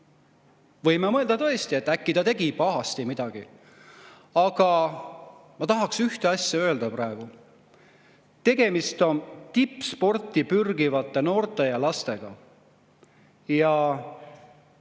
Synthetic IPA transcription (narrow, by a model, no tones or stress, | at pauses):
vɤ̞jmemɤeld̪ɑt̪ɤ̞e̞st̪ie̞t̪ːˑækːit̪ɑt̪e̞ɡ̥ipɑɦɑst̪imid̪̥ɑɡ̥i | ɑɡ̥ɑ | mɑt̪ɑɦɑksyht̪e̞ɑsʲjɑø̞ːld̪̥ɑprɑe̞ɡ̥u | t̪e̞ɡ̥e̞mist̪o̞nt̪ipːˑspo̞rt̪ˑipyrɡivɑt̪ˑːe̞no̞ːrt̪ːˑe̞jɑlɑst̪e̞ɡ̥ɑ̰ | jɑ